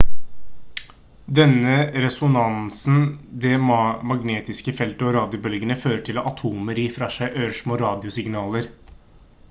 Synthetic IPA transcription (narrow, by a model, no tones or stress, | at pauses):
d̪ɛnːəɾɛsʊnɑnsn̩d̪ɛmɑɡneːt̪ɪskəfɛlt̪əɔɾɑːd̪ɪʊbœlɡənəføːɾəʈʰɪlɔʔɑt̪ʰuːməɾiːfɾɑʂæɪʔøːʂmoːɾɑːd̪ɪʊsɪŋnɑːləɾ